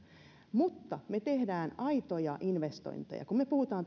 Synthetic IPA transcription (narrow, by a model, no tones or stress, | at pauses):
mut̪ːɑmet̪ehdæːnɑit̪ojɑʔinʋest̪o̰int̪ḛjɑ̰kummepuhut̪ɑːn